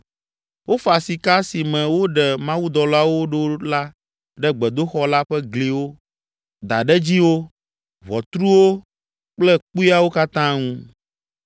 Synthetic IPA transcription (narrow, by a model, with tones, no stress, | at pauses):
wʔo˦fa˨si˨ka˦si˨mɛ̃˨wo˦ɖɛ˨mã˦wu˦d̪ɔ˨la˦wo˦ɖo˦la˦ | ɖɛ˦ɡ͡bɛ˨d̪o˦xɔ˦la˦ɸɛ˦ɡli˨wo˦ | d̪a˨ɖɛ˦d͡ʑi˦wo˦ | βɔ˨t̪ɾu˦wo˦ | k͡plɛ˦k͡pu˦i˦a˦wo˦ka˦t̪ã˦ŋũ˦